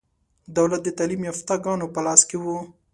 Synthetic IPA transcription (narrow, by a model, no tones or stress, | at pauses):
d̪awlat̪̚d̪ət̪ɑlimjɑft̪ɑɡɑnopəlɑskewu